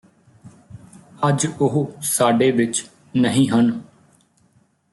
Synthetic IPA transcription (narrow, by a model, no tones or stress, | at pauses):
əd͡ʒʊɦʊsaːɖeːʋɪt͡ʃ | nəɦĩːɦən